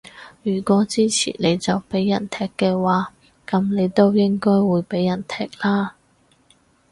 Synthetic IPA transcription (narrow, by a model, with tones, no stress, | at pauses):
jyː˨˩kʷɔː˨˥t͡siː˥t͡sʰḭː˨˩ne˨˧jt͡sɐ˨wpe˨˥jːɐ˨˩nt̪ʰɛː˧˩kːɛː˧waː˨˧ | kɐ˨˥mne˨˧jt̪o˥wjɪ˥ŋkɔː˥jwuː˨˧jpe˨˥jːɐ˨˩nt̪ʰɛː˧k̚laː˥